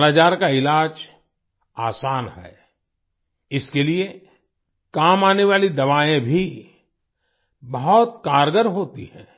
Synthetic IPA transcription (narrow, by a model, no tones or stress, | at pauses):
laːt͡ʃaːɾkaɪlaːd͡ʒ | aːsaːnɦɛ̰ː | ɪskelie | kaːmaːneʋaːlid̪ɐʋaːẽbʱi | bɐɦɔt̪kaːɾɡəɾɦoːt̪ḭhɛ̰̃ː